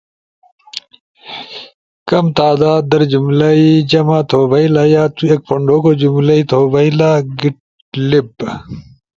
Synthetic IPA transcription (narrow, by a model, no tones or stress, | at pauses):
kɐmt̪aːd̪aːd̪̚d̪ɐɾd͡ʑumlaid͡ʑɐmaːt̪ʰoːbɐilaːjaːt̪uek̚pɐɳɖoːkoːd͡ʑumlɐit̪ʰoːbɐilaːɡiʈ̚ | lib